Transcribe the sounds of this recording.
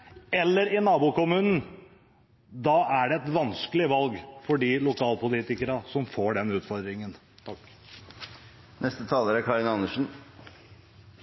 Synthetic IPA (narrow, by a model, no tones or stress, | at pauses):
ɛlːəɾɪnɑːbuːkʊmʉːnn̩ | d̪ɑːʔæɖɛɛt̪ʋɑnskəlɪʋɑlɡfɔɖilʊkʰɑːlpʊliːt̪ɪkəɾɑsɔmfoːɖɛnʉːt̪fɔɾd̪ɾɪŋən | t̪ʰɑkː | nʔɛst̪ət̪ʰɑːləɾækʰɑɾɪnɑnːəʂn̩